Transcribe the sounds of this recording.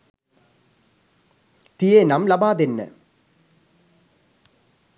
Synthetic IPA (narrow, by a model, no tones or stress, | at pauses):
t̪ijenɐmlɐbaːd̪enːɨ̰